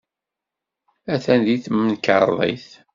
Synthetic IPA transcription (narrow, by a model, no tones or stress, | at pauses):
æθænðiθmənkə̰ɾˤðˤḭθ